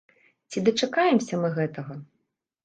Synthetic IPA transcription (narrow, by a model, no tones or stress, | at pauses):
t͡sʲid̪ɐt͡ʂɐkajɛmsʲɐmɨɣɛt̪ɐɣɐ